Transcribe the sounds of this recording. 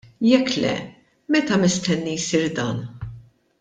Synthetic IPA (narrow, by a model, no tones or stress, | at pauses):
jɛkːlɛ̰ | mɛt̪ɐmɪst̪ɛnːijsiːɾd̪ɐːn